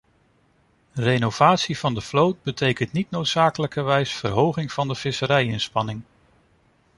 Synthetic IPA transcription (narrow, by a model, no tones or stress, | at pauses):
renowv̥aːtsiv̥ɑndəflowt̚bətʰejkəntnitnowtsaːkələkəʋɛjsfə̰rɦowχɪŋv̥ɑndəv̥ɪsəɾɛjɪnspɑnɪŋ